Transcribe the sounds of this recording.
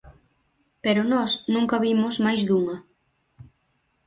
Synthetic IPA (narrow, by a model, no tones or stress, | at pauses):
peɾʊnɔsnũŋkɐβimʊzmajzðuŋɐ